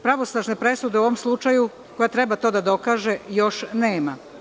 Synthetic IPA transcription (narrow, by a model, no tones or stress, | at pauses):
pɾaʋo̞snaʒnepɾe̞sud̪eu̞ʋo̞mslˠut͡ʃaju | ko̞jat̪ɾebat̪o̞d̪ad̪o̞kaːʒejo̞ʃneːma